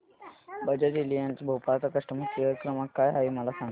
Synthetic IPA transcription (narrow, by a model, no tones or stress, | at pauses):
bəd͡ʑəɾilijãnt͡sibʱowpalt͡sakəʂʈəmukjəkɾəmakːajɦaiməlasãŋɡ